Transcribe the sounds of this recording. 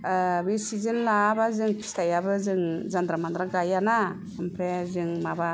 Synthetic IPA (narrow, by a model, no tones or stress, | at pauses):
bisizɯnlabazɯŋkʰi̥stajabɯzɯŋzand̪ɾamandɾaɡajana | ɯmpʰɾezɯŋmaba